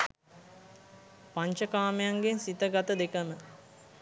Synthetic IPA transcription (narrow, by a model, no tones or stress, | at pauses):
paɲt͡ʃəkaːmejaŋɡensit̪əɡat̪əd̪ekəmə